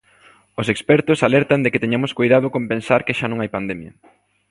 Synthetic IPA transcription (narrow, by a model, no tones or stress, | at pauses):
osekspɛɾt̪ʊsalɛɾt̪and̪ekɪt̪eɲamoskojðað̞okompẽnsaɾkɪʃanõŋajpand̪ɛmjɐ̰